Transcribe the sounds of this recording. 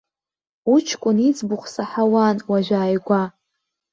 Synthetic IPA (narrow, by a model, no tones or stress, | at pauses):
ut͡ʃʰkʷʼʊnit͡sbʊχʷsaħawanwaʒʷᶣaːjɡʷa